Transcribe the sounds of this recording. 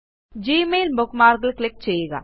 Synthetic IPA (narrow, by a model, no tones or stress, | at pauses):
d͡ʒiːmeːlbʊkmaːɾɡəlklɪk̚t͡ʃeeːɡa̰ː